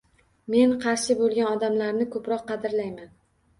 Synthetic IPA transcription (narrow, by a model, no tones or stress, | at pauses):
me̞nqʰɑɾʃɪbolˠɡʲanɒd̪amlaɾnɪkʰɵpɾɒqːɑd̪ɪɾlajman